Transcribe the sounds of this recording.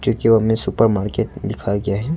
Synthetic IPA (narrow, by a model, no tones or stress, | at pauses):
t͡ʃoːkioɦɐmẽsʊpəɾmaːɾkeːʈ̚lɪkʰaɡɐjaɦɛ